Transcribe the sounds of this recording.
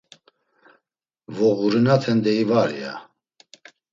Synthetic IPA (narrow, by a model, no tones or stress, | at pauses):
vɔɣuɾinat̪ʰɛnd̪ɛivaɾia̰